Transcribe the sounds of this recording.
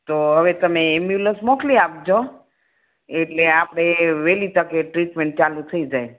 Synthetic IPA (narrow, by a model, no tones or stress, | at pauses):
t̪oɦəʋet̪əmeːmjuləsmokliap̚d͡ʒo | eʈleapɽ̃eʋelit̪əkeʈɾiʈmeɳʈ̚t͡ʃalũt̪ʰəid͡ʒaj